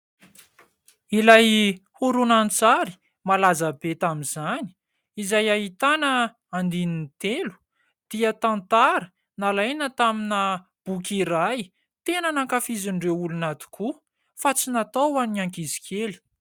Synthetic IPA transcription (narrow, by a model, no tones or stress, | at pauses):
ilajhuɾunant͡saɾi̥ | malazabet̪aminzani̥ | izajaɦit̪anə | and̪inint̪elu̥ | d̪̥iət̪ãnt̪aɾə | nalajnət̪aminə | b̥ukʲiɾaj | t̪enənaŋkafiziɳɖ͡ʐeulunat̪u̥kʰu | fat͡sinat̪awaniaŋkizi̥kʰeli̥